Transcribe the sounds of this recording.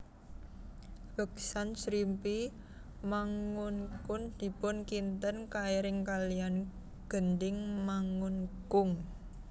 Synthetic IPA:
bəksansɾimpi | maŋʊnkʊnd̪̥i̤pʊnkint̪ənkaiɾɪŋkalijan | ɡ̥ə̤nd̪ɪŋmaŋʊnkʊŋ

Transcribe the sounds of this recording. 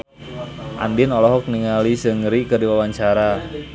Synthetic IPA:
ʔa̰ndɪnɔlɔɦɔk̚niŋalisəŋɾikərdiwawaɲt͡ʃaɾa

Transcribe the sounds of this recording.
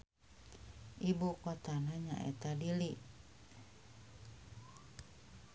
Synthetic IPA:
ʔibukot̪anaɲa̰ʔɛ̰t̪adili

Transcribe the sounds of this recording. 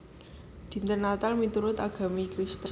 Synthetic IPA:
d̪̥i̤nt̪ənat̪almit̪uɾʊt̪aɡ̥a̤mikɾist̪ə

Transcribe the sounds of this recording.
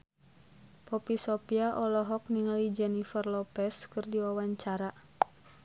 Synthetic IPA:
pɔpisɔpiaʔɔlɔɦɔk̚niŋalid͡ʒɛnifərlɔpɛskɨrdiwawaɲt͡ʃaɾa

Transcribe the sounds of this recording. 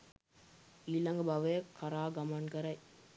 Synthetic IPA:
iːlɐŋɡəbaʋekʰɐɾaːɡɐmɐnkəɾɐj

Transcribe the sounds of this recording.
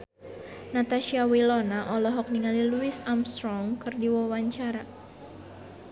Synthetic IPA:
nat̪aʃiawilɔnaʔɔlɔɦɔk̚niŋaliluisamst̪ɾɔŋkɨrdiwɔwaɲt͡ʃaɾa

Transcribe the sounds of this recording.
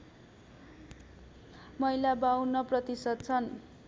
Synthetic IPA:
mʌijlabawnʌprʌt̪isʌd̪̚t͡sʰʌn

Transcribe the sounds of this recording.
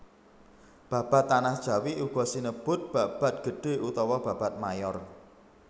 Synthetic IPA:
b̥ä̤b̥ä̤t̪ːanahd̥ʒ̥a̤wiʔuɡ̥ɔ̤sinəb̥ʊ̤t̪̚b̥a̤b̥ä̤t̪̚ɡ̥ə̤ɖ̥e̤ʔut̪ɔwɔb̥ä̤b̥at̪̚majɔr

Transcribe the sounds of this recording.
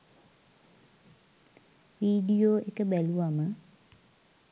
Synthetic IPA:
ʋiːɖijoːekəbæluʋamə

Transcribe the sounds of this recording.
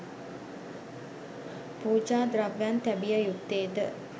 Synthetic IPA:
puːd͡ʒaːd̪ɾaʋːænt̪æbijəjut̪ːeːd̪ə

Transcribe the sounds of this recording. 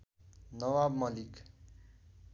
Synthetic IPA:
nʌwabmʌlik

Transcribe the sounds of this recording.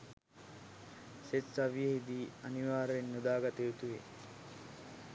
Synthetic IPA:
setsɐʋijəɦid̪iːɐniʋaːɾenːud̪aːɡat̪eut̪uʋḛ

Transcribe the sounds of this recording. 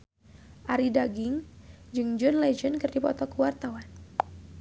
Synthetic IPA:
ʔaɾidaɡɪŋd͡ʒɨŋd͡ʒɔnlɛd͡ʒənkɨrdipɔ̰t̪ɔkəwart̪awan

